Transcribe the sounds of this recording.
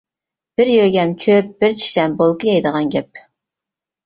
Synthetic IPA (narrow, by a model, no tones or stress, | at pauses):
b̥ɪɾjøɡʲɛmt͡ʃʲʰøp̚b̥ɪɾt͡ʃʰi̥ʃd̪ɛmbolˠkɨjɛjd̪əʁɑnɡʲɛp̚